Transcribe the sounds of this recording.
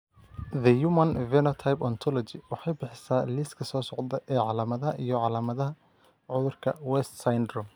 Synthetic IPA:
ðɐjumɐnvɛnɔt̪ʰajpɔnt̪ʰɔlɔt͡ʃɪwɑħɑjbɪħɪsaːliːskʰɐsɔːsɔʕd̪ɐʔɛːʕɑlaːmɐðɐɦɐʔijɞʕɑlaːmɐðɐɦɐ | ʕʊðʊrkʰɐ̰wɛst̪sajndrɔ

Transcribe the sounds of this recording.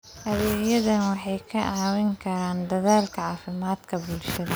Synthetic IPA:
ʔɐðɛːɣjɐðɐnwɑħɑjkʰɐʕɑːwɪŋkʰɐɾaːnd̪ɐðaːlkʰɐʕɑːfɪmaːd̪̥kʰɐbʊlʃɐðɐ

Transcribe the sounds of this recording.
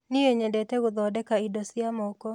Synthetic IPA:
nijeɲɛdɛtɛɣʊðɔdɛkaidɔsɪamɔkɔ

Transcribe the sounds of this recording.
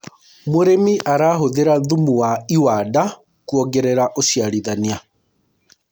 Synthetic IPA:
moɾemiʔaɾaːɦoðeɾaðumuwaiwada | kuɔɡɛɾeɾaʔosiaɾiðania

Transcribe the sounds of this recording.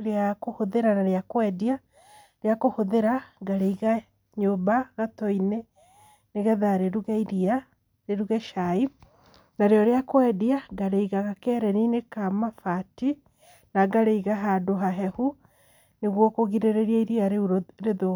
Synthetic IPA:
ɾeakohoðeɾanaɾeakoɛdia | ɾeakohoðeɾaɡaɾeiɣa | ɲobaɣatɔine | neɣɛðaɾeɾuɣɛiɾia | ɾeɾuɣɛʃai | naɾeɔɾeakoɛdiaɡaɾeiɣaɣakɛɾɛninekamafati | naɡaɾeiɣaɦadoɦaɦɛhu | neɣwɔkoɣiɾeɾeɾiaiɾiaɾeɾeðo

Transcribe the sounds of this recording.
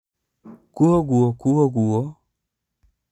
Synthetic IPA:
kuɔɣuɔkuɔɣuɔ

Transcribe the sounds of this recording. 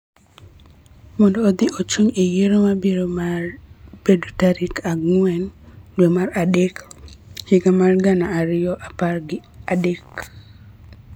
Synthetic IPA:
mɔndɔːd̪iʔot͡ʃuŋejeɾomabiɾomarb̥edutaɾikaɡŋwɛndwemaɾadekhiɡamarɡanaːɾɪjɔʔaparɡɪadek

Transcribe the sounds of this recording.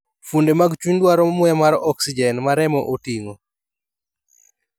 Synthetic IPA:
fundemaɡt͡ʃuɲdwaɾɔmʊɛmaɾɔksid͡ʒɛnmaɾɛmɔʔotiŋo

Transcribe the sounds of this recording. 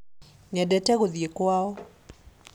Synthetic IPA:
ɲɛdɛtɛɣoðijekwaɔ

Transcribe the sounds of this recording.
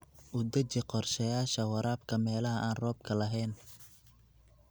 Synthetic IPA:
ʔʊd̪ɐt͡ʃɪqɔrʃɐjaːʃɐwɐɾaːb̚kʰɐmɛːlɐɦɐʔaːnrɔːb̚kʰɐlɐɦɛːn

